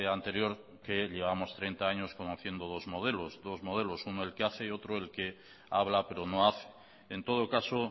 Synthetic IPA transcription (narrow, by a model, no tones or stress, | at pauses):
ant̪e̞ɾjo̞ɾ | ke̞ʎe̞β̞amo̞st̪ɾe̞jnt̪aaɲo̞sko̞noθje̞nd̪o̞ð̞o̞zmo̞ð̞e̞lo̞zðo̞zmo̞ð̞e̞lo̞sunoe̞lkeaθe̞o̞t̪ɾoe̞lke̞ | aβ̞lape̞ɾo̞no̞aθe̥ | ent̪o̞ð̞o̞kaso